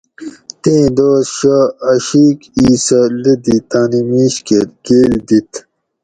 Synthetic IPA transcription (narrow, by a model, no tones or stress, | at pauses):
t̪ĩːd̪oːsɕaɐɕiːkiːsɐled̪it̪aːnimiːɕkeɡeːld̪it̪